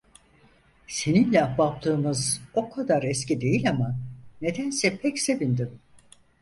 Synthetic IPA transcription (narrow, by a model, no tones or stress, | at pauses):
se̞ninlʲɛabap̚t̪ʰˠɯːɯmɯzo̞kʰad̪aɾɛscid̪e̞jilʲamane̞d̪ænsɛpʰɛcse̞vind̪in